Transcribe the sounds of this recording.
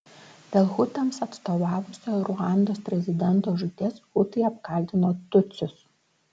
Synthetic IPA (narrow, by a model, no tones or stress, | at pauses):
d̪ʲɛlˠxʊt̪ɐmsɐt̪st̪oːʋɑːʋʊsʲoːɾʊɑˑnd̪oːspʲɾʲɛzʲɪd̪ʲɛnt̪oːʒʊt̪ʲeːsxʊt̪ɐɪɐpkɐˑlʲt̪ʲɪnoːt̪ʊt̪sʲʊs